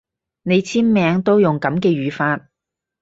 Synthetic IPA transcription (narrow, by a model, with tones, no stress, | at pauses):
ne˨˧jt͡sʰiː˥nmɛː˨˧ŋt̪o˥wjʊ˨˩ŋkɐ˨˥mkɛː˧ɥyː˨˧faː˧t̚